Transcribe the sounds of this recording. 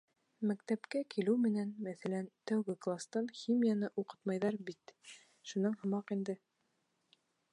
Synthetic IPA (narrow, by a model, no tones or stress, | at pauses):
mækt̪æpkækilɘwmɘ̆nænmæθælænt̪æwɡɘklˠast̪ɑnxʲimʲijanɤʔuqɤ̥t̪mɑjðɑɾbit̪ | ʃunɤɴhɤ̆mɑqind̪ɘ